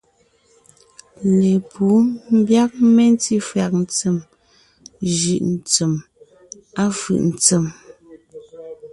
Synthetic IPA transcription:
le˨pʰu˨˦m̩˦bja˦k̚me˦n˦ti˦fɰa˨k̚n̩˨t͡sə˨m | ʒʉ˨ʔn̩˨t͡sə˨m | a˦fɯ̰˨ʔn̩˨t͡sə˨m

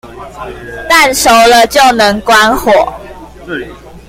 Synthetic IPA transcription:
t̪a˥˨nʂo˨˦ʊlə˧t͡ɕjo˥˨ʊnə˨˦ŋkwa˦nhwɔ˨˩˦

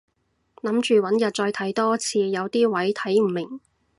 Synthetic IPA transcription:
nɐ˨˥mt͡ʃyː˨wɐ˨˥njɐ˨˩t̚t͡ʃɔː˧jt̪ʰɐ˨˥jt̪ɔː˥t͡sʰiː˧jɐ˨˧wt̪iː˥wɐ˨˥jt̪ʰɐ˨˥jm̩˨˩mɪ˨˩ŋ

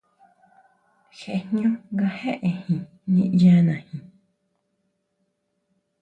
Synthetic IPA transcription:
xe˧˨nɲ˦õ˦ŋɡa˧he˦ʔe˨hĩ˨ | ɲẽ˧ʔjã˧nã˨hĩ˨

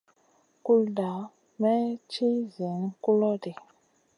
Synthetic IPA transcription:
ku˦lda˨˦ | mɛ˦t͡ʃi˦zi˨ŋ˦ku˦lɔ˦di˨

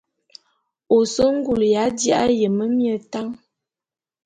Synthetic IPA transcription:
o˨so˦ŋ̩˦ɡu˨lja˨˦dja˦ʔjə˨mə˦mjə˨ta˦ŋ

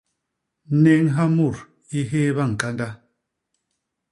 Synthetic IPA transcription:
ne˦ŋɦa˦mu˨ɾ | i˦ɦe˦βa˦˨ŋ̩˨ka˦nda˦

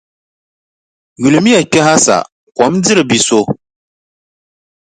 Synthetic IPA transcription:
ju˨lu˨mi˦ja˨k͡pʲɛ˦ɦa˦sa̰˨ | kʷɔ˨˦md͡zɨ˦ɾɨ˨bi˨so˦

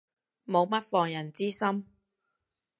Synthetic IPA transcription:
mo˨˧wmɐ˥t̚fɔː˨˩ŋjɐ˨˩nt͡siː˥sɐ˥m

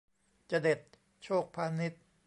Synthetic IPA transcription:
t͡ɕa˨˩de˨˩t̪̚ | t͡ɕʰoː˥˩k̚pʰaː˧ni˦˥t̪̚

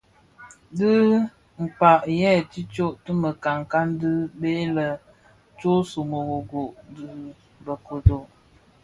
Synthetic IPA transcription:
dɨ˦ | ŋ̩˨k͡pa˨ʔjɛ˦˨ti˦t͡ʃo˦ʔtə˦mə˨ka˨ŋka˦n˦dɨ˦be˦lə˨ | t͡ʃo˦so˨mo˨ɣo˨ɡo˨ʔdɨ˨ | bə˨ko˨to˨

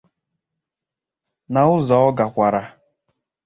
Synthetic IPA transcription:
na˨ʊ˦zɔ˨˦ɔ˦ɡa˨kʷa˨ɾa˨

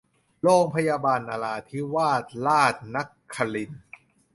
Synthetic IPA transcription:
loː˥˩ŋpʰa˧jaː˧baː˧nʔa˧laː˧t̪ʰi˦˥waː˥˩t̪̚laː˥˩t̪̚na˦˥kʰːa˧li˧˩n

